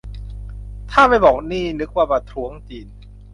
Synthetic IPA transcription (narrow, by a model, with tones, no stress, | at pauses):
t̪ʰaː˥˩ma˥˩jbɔː˨˩k̚niː˥˩nɯ˦˥k̚waː˧˩pa˧t̪ʰɾu˦əŋt͡ɕiː˧n